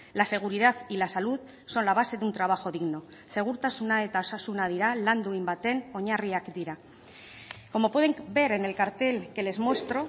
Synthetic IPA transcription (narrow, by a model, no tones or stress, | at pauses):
lase̞ɣ̞uɾið̞aθilasaluð | so̞nlaβ̞ase̞ðunt̪ɾaβaxo̞ðiɣno̞se̞ɣ̞uɾt̪asunaet̪aosasunað̞iɾaland̪uimbat̪e̞no̞ɲariakd̪iɾa | ko̞mo̞pwe̞ðeŋbe̞ɾe̞ne̞lkaɾt̪e̞lke̞le̞zmo̞st̪ɾo̞